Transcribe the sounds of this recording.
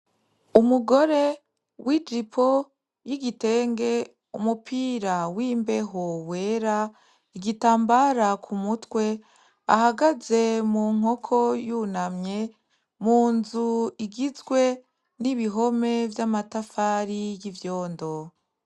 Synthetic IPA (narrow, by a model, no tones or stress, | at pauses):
umuɡo̞ɾe̞ | wʔid͡ʒipʰo̞ | jiɡite̞ːŋɡe̞ | umupʰiɾawiːmbe̞ɦowe̞ːɾa | iɡitaːmbaɾakʰumutwe̞ | a̰haɡaze̞muːŋ̥o̞kʰo̞junamɲe̞ | muːnzuiɡizɡwe̞ | niβiɦo̞me̞vjamatafaːɾijivjo̞ːndo̞